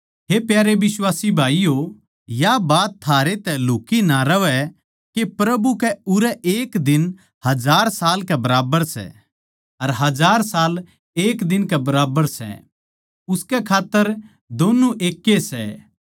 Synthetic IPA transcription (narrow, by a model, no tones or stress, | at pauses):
ɦepjaːɾeʋɪswaːsibʱaːijo | jabaːt̪ʰːaːɾet̪ɛluːkinaɾɐʋɛ | kepɾɐbukɛʊɾɛʔeːkd̪ɪn | hɐd͡ʒaːɾsaːlkɛbɐɾaːbəɾsɛ̰ | ɐɾɦɐd͡ʒaːɾsaːl | eːkd̪ɪnkɛbɐɾaːbəɾsɛ̰ | ʊskɛkʰaːt̪ːəɾ | d̪oːnuʔeːkːesɛ̰